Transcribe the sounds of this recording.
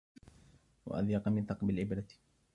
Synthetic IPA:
wa̰ʔa̰ðjɑqɑmɪnt̪ˤɑqbɪlʕɪbɾat̪

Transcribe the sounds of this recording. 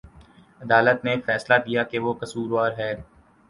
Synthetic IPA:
ɐd̪aːlət̪nefɛːslad̪ijakeʋokɐsuːɾaːɾɦɛː

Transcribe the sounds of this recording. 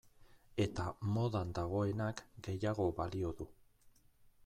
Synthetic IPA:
e̞t̪amo̞ðand̪aɣ̞o̞e̞nakɡe̞jaɣo̞βalio̞ðu

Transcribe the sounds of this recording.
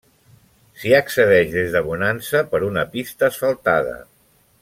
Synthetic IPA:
siəksəðɛʒðezðəβunansəpəɾunəpist̪əːsfəlˠt̪aðə̰

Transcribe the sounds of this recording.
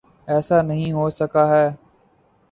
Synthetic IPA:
ɛːsaːnəɦĩːɦoːsəkaːɦɛː

